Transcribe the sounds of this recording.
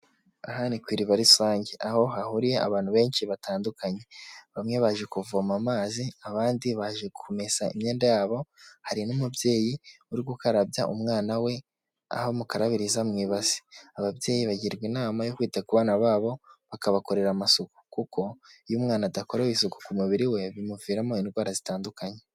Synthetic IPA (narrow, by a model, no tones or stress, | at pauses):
aɦanikwiːɾiβaɾisaːɲɟeʔaho̞ɦahuɾijea̰βaːn̥huβe̞ːnʃiβataːndukʰaɲe̞βamŋe̞βaʒe̞kuvomamaːziaβaːndiβaʒe̞ɡukʰomesaḭmɲe̞ːndajaːβo̞haɾinumubje̞ːjiuɾiɡɡukaɾabjaʔumŋaːnawe̞ | a̰homukaɾaβiɾizamŋiːβazi̥aβabje̞ːjiβaɟiɾɡwinaːmajokwiːtakuβaːnaβaːβo̞βakaβako̞ɾe̞ɾamasuku̥kukʰo̞ijumŋaːnadakoɾaisuku̥kumuβiɾiwe̞βimuviːɾamoinɡwaːɾazitaːndukaɲe̞